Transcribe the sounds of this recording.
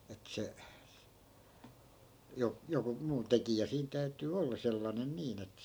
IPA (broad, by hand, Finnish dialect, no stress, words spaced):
et se jo joku muː tekijæ siːn tæytyː olːɑ selːɑnen niːn et